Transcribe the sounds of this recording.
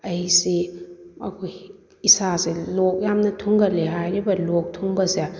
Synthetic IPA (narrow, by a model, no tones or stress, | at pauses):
ɐiseɐ̰kʰoj | isaselok̚jamnɐtʰuŋɡɐleɦajɾibɐlok̚tʰuŋbɐse